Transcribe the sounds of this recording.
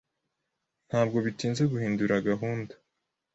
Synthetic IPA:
n̥haːbɡo̞βitiːnzeɡuhiːnduɾaɡaɦuːndḁ

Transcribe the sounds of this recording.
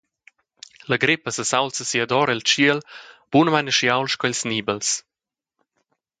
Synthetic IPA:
ləɡɾɪpəsəsawlsəsiɐd̪ɔɾɛlt͡ʃiəlb̥unmanəʃiawlʃkɔilsniːbəls

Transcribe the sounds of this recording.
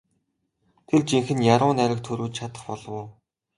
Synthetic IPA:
t̪ʰert͡ɕiŋxɘ̆njaɾʊːnæɾʲə̆k̚t̪ʰɵɾuːt͡ɕt͡ɕʰat̪ə̆χpɔɮɞ̆wː

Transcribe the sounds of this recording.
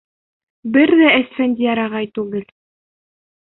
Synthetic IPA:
bɘɾðææsfænd̪ʲijɑɾɑʁɑjt̪ʉɡɘl

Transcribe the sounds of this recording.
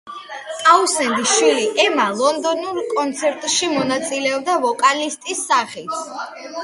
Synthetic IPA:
kʼausɛnd̪iʃwiliʔɛmalˠɔnd̪ɔnuɾkʼɔnt̪sʰɛɾt̪ʼʃimɔnat̪sʼilɛɔb̚d̪avɔkʼalist̪ʼisːaχit̪ʰ

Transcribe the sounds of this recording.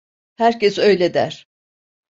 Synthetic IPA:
hæɾcɛsø̞jlʲed̪æ̰ɾ̥

